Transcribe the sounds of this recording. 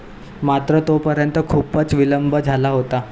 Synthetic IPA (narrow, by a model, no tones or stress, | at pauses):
mat̪ɾət̪opəɾjənt̪əkʰuːpət͡sʋiləmbəd͡zʱalaɦot̪a